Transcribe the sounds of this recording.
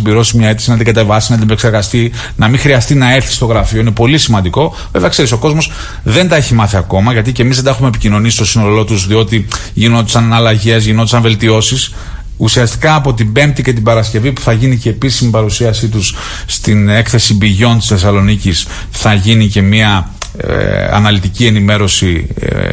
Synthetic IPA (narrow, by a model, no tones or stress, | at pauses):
mbiɾo̞simɲɐet̪isinɐd̪iɡɐt̪e̞vɐsinɐt̪inepekseɾɣɐst̪i | nɐmiŋxɾiɐst̪inɐe̞ɾθi̥st̪o̞ɣɾɐfio̞ine̞po̞lisimɐnd̪iko̞ | veveɐkse̞ɾiso̞ko̞zmo̞s | ðe̞nd̪ɐe̞çimɐθiɐko̞mɐʝɐt̪̬ice̞mizðed̪ɐxumepicino̞nisist̪o̞sinolo̞t̪uzðio̞t̪iʝino̞t̪e̥sɐnɐlɐʝe̞zʝinot̪esɐɱve̞lt̪io̞sis | usiɐst̪i̥kɐːpo̞t̪ibe̞mp̚t̪ice̞t̪̬ibɐɾɐsce̞vipu̥θɐʝinice̞ːpisimipɐɾusiɐsit̪̬usː | t̪ine̞kθe̞sibiʝo̞nt̪isθe̞sɐlo̞nicis | θɐʝinice̞miɐ | ɐ̰nɐlit̪icie̞nime̞ɾo̞sḭ